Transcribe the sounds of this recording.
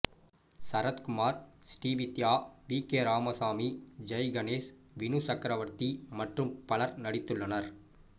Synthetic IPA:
sɐɾɐt̪kʊmaːɾsʈiːʋit̪jaːʋiːkeːɾaːmɐsaːmid͡ʒɐjɡɐneːs | ʋɪnusɐkɾɐʋɐɾt̪imɐʈrɯmpɐɭɐɾnɐɽɪt̪ːɯɭːɐnɐɾ

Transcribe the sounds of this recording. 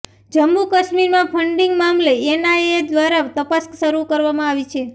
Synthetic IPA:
d͡ʒəmːukəʃmiɾmãpʰəɳɖĩŋɡmamleenaed̪ʋaɾaʋt̪əpəskʃəɾukəɾʋamãaʋit͡ʃʰe

